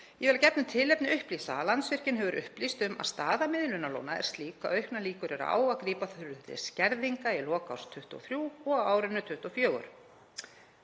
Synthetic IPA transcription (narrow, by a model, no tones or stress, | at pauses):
jɛvɛlacɛpnʏmt̪ʰɪlːɛpnɪʏhpliːsa̰ːlansvɪr̥cɪnɦɛvʏɾʔʏ̰hplist̪ʏma̰ðst̪aːðamɪðlʏnalo̰wnaɛ̰ɾ̥st̪liːka̰œɥhknaliːkʏɾɛɾ̰a̰ːwakɾiːpaθʏɾʏnt̪ɪ̰scɛɾðiŋkailɔːkawst̪ʰʏht̪ɔ̰θɾjuːɔɣawaːwɾʏnːʏt̪ʰʏht̪ɔfjœːɣʏ̰ɾ̥